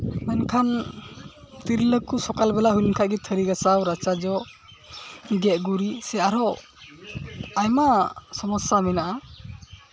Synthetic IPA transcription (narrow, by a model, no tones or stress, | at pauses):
nankʰan | t̪iɾiləkusɔkalbɛlaɦujnkʰaɡit̪ʰəɾiɡasawɾat͡ʃad͡ʒɔ | ɡɛʔ̚ɡuɾisɛaɾɔ | ajmasɔmɔsamɛnaʔa